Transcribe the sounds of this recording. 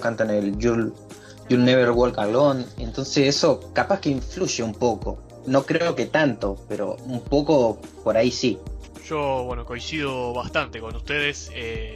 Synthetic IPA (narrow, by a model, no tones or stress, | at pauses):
kant̪aneljul | julneβeɾwolkalone̞nt̪o̞nseseso̞kapaskeiɱfluʒeumpo̞ko̞̰ | no̞kɾeoloke̞t̪ant̪o̞pe̞ɾo̞̰umpo̞ko̞po̞ɾaisi | ʒoβwenoko̞j̃siðoβast̪ant̪eko̞nust̪eðese